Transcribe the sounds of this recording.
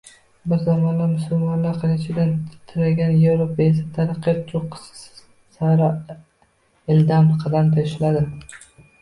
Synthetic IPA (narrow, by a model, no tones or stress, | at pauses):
bɪɾzamɒnlamʊsʊlmɒnlaqʰɨlɪt͡ʃʰɪd̪ant̪ʰɪɾaɡʲanjevɾopaes̬at̪ʰaɾqːɨɾt͡ʃ̪ʰoq | saɾa | ɪld̪amqʰɑd̪ant̪ʰaʃɪlad̪ɪ